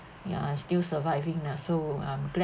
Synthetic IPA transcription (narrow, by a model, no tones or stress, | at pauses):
j̰a̰stilsəvaɪvĩŋdasoãmklɛ